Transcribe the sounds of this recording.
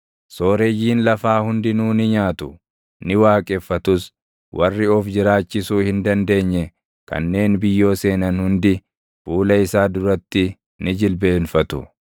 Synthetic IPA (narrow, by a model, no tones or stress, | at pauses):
so̞ːɾejiːnlɐfaːhʊnd̪ɪnuːnɪɲaːt̪ʊ | nɪwaːkʼɛfːɐt̪ʊs | wʔɐrːɪɔfd͡ʒɪɾaːt͡ʃːɪsuːhɪnd̪ɐnd̪e̞ːɲːɛ | kɐ̰nːe̞ːnbɪjːo̞ːse̞ːnɐnhʊnd̪ɪ | fuːlɐɪsaːd̪ʊɾɐt̪ːɪ | nɪd͡ʒɪlbe̞ːnfɐt̪ʊ̰